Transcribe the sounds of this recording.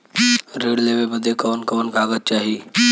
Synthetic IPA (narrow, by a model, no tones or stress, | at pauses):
ɾeːɽleʋebəd̪ʱekɐʋənkəʋənkaːɡət̪̚t͡ʃaːɦiː